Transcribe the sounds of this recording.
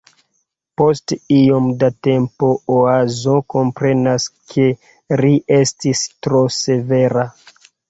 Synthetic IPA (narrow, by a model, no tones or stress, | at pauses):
po̞stio̞mdate̞mpo̞oazoko̞mpɾe̞naskʰe̞ | ɾiʔe̞stistɾose̞ve̞ɾa